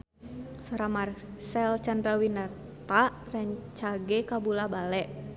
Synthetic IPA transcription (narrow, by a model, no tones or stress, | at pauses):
sɔɾamarsɛlt͡ʃandɾawina | t̪a | rɛŋt͡ʃaɡɛkabulabalɛʔ